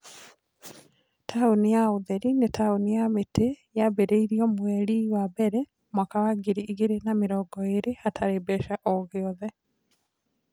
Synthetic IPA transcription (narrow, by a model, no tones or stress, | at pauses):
tʰaonijaoðɛɾinetʰaonijametejabeɾeiɾiɔmwɛɾiwabɛɾɛ | mwakawaɡiɾiiɣeɾenameɾɔɡɔeɾeatʰaɾebɛʃaʔɔɣeɔðɛ